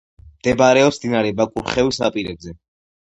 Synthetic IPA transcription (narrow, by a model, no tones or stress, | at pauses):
md̪̥ɛbaɾɛɔpsd̪inaɾɛbakʼṵɾχɛvisa̰pʼiɾɛbzɛ